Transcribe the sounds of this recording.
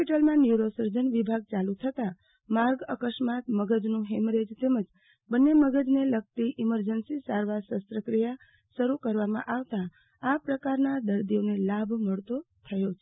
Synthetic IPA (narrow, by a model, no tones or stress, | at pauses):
piʈəlmãnjuɾosəɾd͡ʒənʋibʱaɡ̚t͡ʃalut̪ʰət̪a | maɾɡəkəʃmat̪məɡəd͡ʒnũɦemɾed͡ʒt̪eməd͡ʒ | bənːeməɡəd͡ʒneləɡ̚t̪iʔiməɾd͡ʒənsisaɾʋaɾsəsɾəkɾija | ʃəɾukəɾʋamã̰ʔaʋt̪a | apɾəkaɾnad̪əɾd̪ionelabʱməɭt̪ot̪ʰəjot͡ʃʰ